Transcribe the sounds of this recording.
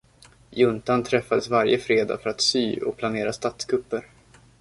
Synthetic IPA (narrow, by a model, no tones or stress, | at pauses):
jɵnt̪ant̪ʰɾɛfːad̪əsvaɾjəfɾeːd̪a̰ːfœɾat̪syːɔ̰k̚pʰlaneːɾast̪at̪skʰɵpːəɾ